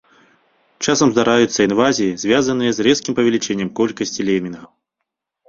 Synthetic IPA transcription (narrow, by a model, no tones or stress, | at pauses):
t͡ʂasɐmzd̪aɾajut̪sːɐinvazʲijizʲvʲazɐnɨjɐzrɛskʲimpɐvʲɛlʲit͡ʂɛnʲːɛmkɔlʲkɐsʲt͡sʲilʲɛmʲinɣɐw